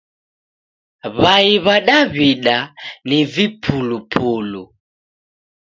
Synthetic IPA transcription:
βaiβaɗaβiɗanivipʰulupʰulu

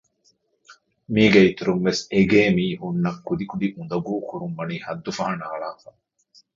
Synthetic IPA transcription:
miːɡeit̪uɾumʋeseɡeːmiːhunːɐkːud̪ikud̪iʔund̪ɐɡuːkuɾumʋɐniːhɐd̪ːufɐɦɐnaːɭaːfa

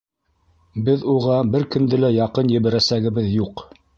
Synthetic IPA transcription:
bɘðuʁɑbɘɾkɵ̆nd̪ɘlæjɑqɤnjɘ̆βæɾæsæɡɘ̆βɘðjuq

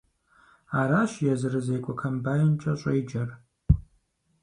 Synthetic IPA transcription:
aːɾaːʃjɛzɨrɨzejkʷʼɔkʰɐmbaːjɪnt͡ʃʼɐɕʷʼejd͡ʒɐr

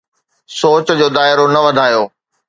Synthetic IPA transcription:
soːt͡ɕd͡ʑoːd̪aːɪɾonɐʋɐd̪ʱaːjoː

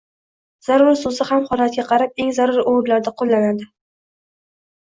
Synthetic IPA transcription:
z̥aɾʊɾsʊzɪhamχɒlat̪̚ɡʲaqʰɑɾap̚e̞ŋzaɾʊɾowɾlaɾd̪aqʰolˠːanad̪ɪ

